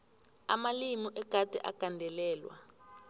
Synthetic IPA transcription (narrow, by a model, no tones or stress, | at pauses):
amalimuʔɛkatʼɛ̰ʔa̰kandʱɛlɛːlwa̰